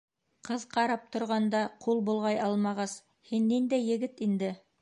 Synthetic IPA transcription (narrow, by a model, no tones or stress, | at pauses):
qɤðqɑɾɑp̚t̪ŏɾʁɑnd̪ɑqʰulˠbulˠʁɑjɑlˠmɑʁɑs | hinːind̪æjːɘ̆ɡɘt̪ind̪ɘ